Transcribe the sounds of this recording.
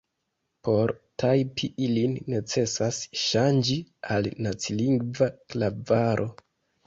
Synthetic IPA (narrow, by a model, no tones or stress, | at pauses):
po̞ɾtʰajpʰiʔilinːe̞t͡se̞sasʃand͡ʒialnat͡siliŋɡvaklavaɾʔo̞